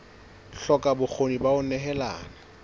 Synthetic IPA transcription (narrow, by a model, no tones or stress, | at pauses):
ɬɔkʼabʊk͡xʰonibaʊnɛɦɛla̰ːna